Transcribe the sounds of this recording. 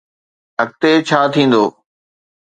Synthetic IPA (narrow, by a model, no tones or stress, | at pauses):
ək̚t̪eːt͡ɕʰaːt̪ʰĩːn̆d̪oː